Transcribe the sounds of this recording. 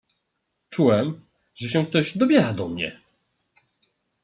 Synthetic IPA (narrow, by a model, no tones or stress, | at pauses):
t͡ʂuwɛm | ʐɛɕɛ̃k̚t̪ɔʑd̪ɔbʲjɛɾad̪ɔmɲɛ̰